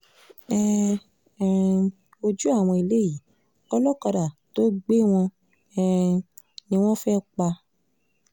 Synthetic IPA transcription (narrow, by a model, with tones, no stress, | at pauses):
ɛ˦˨ | o˧d͡ʒu˦a˦˨w̃ɔ̃˧i˧le˦ji˨ | ɔ˧lɔ˦kɔ˧ɾa˨to˦ɡ͡be˦w̃ɔ̃˧ | ɛ˦˨nĩ˧w̃ɔ̃˦fɛ˦k͡pa˧